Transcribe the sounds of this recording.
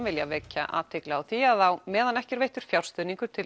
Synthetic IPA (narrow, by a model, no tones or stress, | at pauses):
vɪljavɛːcːa̰ʔa̰ðt̪ʰɪklaawθiaðθawmɛːðanɛhcɛɾveːjht̪ʏɾ̥fjawlst̪œːðniŋkʏɾ̥t̪ʰɪl